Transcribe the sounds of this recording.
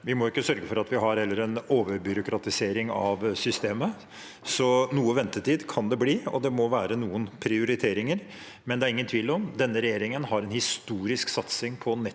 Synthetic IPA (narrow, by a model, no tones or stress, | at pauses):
ʋɪmɔʊɪkːəsœɾɡəfɔɾɑt̪ʋɪɦɑɾhɛlːəɾɛnoːʋəɾbʏɾʊkɾɑt̪ɪseːɾɪŋɑ̰ʋsʏst̪eːmə | sɔnuːəʋɛnt̪ət̪ʰiːd̪kʰɑnd̪ɛbliːɔ̰d̪ɛmɔʋæːɾənuːənpʰɾɪʊɾɪt̪ʰeːɾɪŋəɾ | mɛnd̪ɛæɾɪŋːənt̪ʰʋiːlɔmd̪ɛnːəɾɛjeːɾɪŋənhɑɾɛnhɪst̪uːɾɪsksɑt̪sɪŋpʰɔnɛ